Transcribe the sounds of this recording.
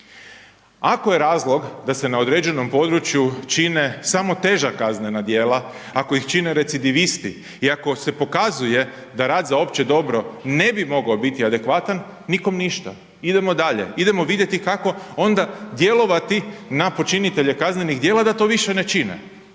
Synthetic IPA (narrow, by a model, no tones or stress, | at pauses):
akoje̞ɾaːzlˠo̞ɡd̪ase̞nao̞d̪ɾed͡ʒe̞no̞mpo̞d̪ɾut͡ʃjut͡ʃine̞samo̞t̪e̞ʒakaznenad̪je̞ːla | ako̞ixt͡ʃineɾe̞t̪sid̪iʋist̪ḭ | iako̞se̞po̞kazuje̞ | d̪aɾaːd̪zao̞pt͡ʃe̞d̪o̞bɾo̞ne̞bimo̞ɡaobit̪iad̪e̞kʋat̪anː | iko̞mniʃt̪a | id̪e̞mo̞d̪aʎe̞̰id̪e̞mo̞ʋid̪jet̪ikako̞o̞nd̪ad̪je̞lo̞ʋat̪inapo̞t͡ʃinit̪e̞ʎe̞kazne̞niɣd̪jeːlˠad̪at̪o̞ʋiʃe̞ne̞t͡ʃinḛ